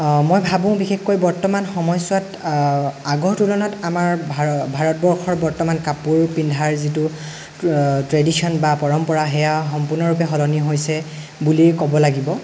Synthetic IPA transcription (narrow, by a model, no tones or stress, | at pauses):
mojbʱabɔ̃ʊ̃bixexkojbɔɹtɔmanxɔmɔjsʊwat | aɡɔɹtulɔnɔtamaɹbʱbʱaɹɔt̚bɔɹxʰɔɹbɔɹtɔmankapuɹpindʱaɹzitʊ | tɹedisʰiɔnbapɔɹɔmpɔɹaɦɛjaxɔmpuɹnɔɹup̬ɛɦɔlɔniɦojsɛ | bulikɔbɔlaɡibɔ